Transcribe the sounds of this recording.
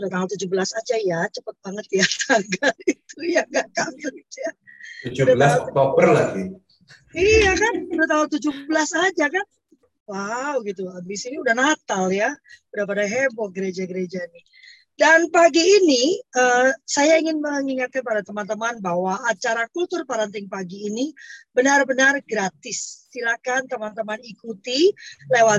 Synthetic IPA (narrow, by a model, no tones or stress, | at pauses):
dat̪aʊlt̪ud͡ʒuhbəlasad͡ʒajat͡ʃəpət̪̚baŋət̪jakʰaŋɡait̪ujaŋɡaʔkaŋəit̪ujat̪ud͡ʒudbəlasbapərlaɡi | ijakandut̪̬aɦʊlt̪ud͡ʒuhbəlasad͡ʒakan | wawɡit̪uəmdisiniudahnat̪aljaudapadaɦɛmbɔɡəɾed͡ʒaɡəɾed͡ʒani | danpaɡiːniəsajaiŋɪnməŋiŋat̪̚kanpadat̪əmant̪əmanbahwaːt͡ʃaɾakult̪ʊrpaɾənt̪ɪŋpaɡiːnibənarbənarɡɾat̪ɪsːilakant̪əmant̪əmanikut̪ilewa